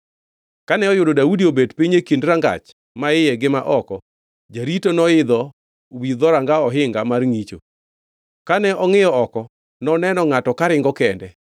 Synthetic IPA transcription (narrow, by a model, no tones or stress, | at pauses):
kanɛɔjʊdodaudiobedpiɲekindɾaŋɡa̰t͡ʃ | maɪjɛɡɪma̰ʔɔkɔ | d͡ʒaɾitonɔɪd̪ɔ | wid̪ɔɾaŋɡaɔɦɪŋɡamarŋit͡ʃo̰ | kanɛʔɔŋɪjɔɔkɔ | nɔnɛnɔŋatɔkaɾɪŋɡɔkɛndɛ